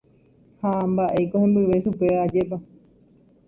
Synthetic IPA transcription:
hambaʔe̞jkohẽmbɨʋe̞ʃupead͡ʒep̬a

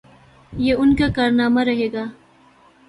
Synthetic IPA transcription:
jeʊnkakaːɾnaːmaɾɐɦeːɡaː

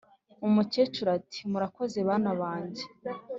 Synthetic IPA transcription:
umucet͡ʃuɾatʰi̥muɾako̞ze̞βaːnaβaːɲɟe

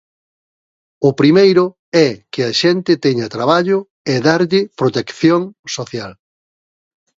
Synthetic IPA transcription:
ʊpɾimejɾʊ | ɛkɪɐʃɛnt̪ɪt̪ɛɲɐt̪ɾaβaʎʊ | ɛðaɾʎɪpɾot̪ekθjoŋsoθjal

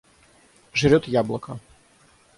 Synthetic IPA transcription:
ʐɾʲɔt̪jablˠɐka

